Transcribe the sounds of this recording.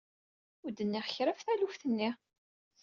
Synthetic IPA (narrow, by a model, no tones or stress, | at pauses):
ʊd̪ənːɪʁçɾəfθælufθənːi